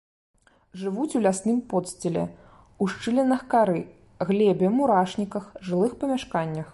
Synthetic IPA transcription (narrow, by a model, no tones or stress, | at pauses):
ʐɨvut͡sʲulʲasnɨmpɔt̪sʲt͡sʲɛlʲɛ̰ | uʂt͡ʂɨlʲɛnɐxkaɾɨ | ɣlʲɛbʲɛmuɾaʂnʲikɐxʐɨlˠɨxpɐmʲaʂkanʲːɐx